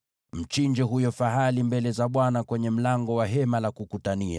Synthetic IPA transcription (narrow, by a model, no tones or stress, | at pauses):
m̩t͡ʃiɲd͡ʒɛɦujɔfaɦalimbɛlɛzaɓwanakwɛɲɛm̩laŋɡɔwaɦɛmalakukutania̰